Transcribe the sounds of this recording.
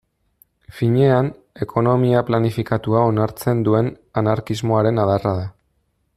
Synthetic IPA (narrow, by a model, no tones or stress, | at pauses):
fiɲe̞an | e̞kʰo̞no̞miaplanifikat̪uao̞naɾt͡se̞nd̪ue̞n | anaɾkizmo̞aɾe̞naðaraða